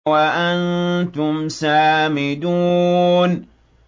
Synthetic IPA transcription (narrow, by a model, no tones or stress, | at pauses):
waʔantʊmsaːmɪduːn